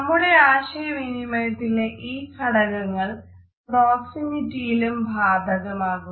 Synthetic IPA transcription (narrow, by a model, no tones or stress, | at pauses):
nɐmːuɽe̞aːɕɐjɐʋinimɐjt̪ːileʔiːkʰɐɽɐɣɐŋːɐɭ | proːksimitːijilumbʱaːd̪ʱɐɣɐmaːɣu